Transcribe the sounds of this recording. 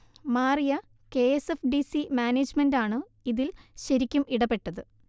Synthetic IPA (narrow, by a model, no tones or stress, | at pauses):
maːrijɐ | ke̞esefɖisimaːneːd͡ʑmendaːɳɨ | iðilɕɐɾikʲːumʔiɽɐpe̞ʈːɐðɨ